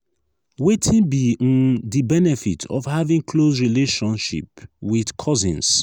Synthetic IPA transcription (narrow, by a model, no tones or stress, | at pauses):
wetʰĩnbiɔ̃ndibɛnɛfḭtʰɔ̰fhavĩŋkʰlosɹileʃɔ̃nʃḭpwidkʰɔzĩns